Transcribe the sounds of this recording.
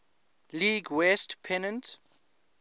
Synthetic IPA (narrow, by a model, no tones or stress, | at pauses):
liːɡwɛstpʰɛnə̃nt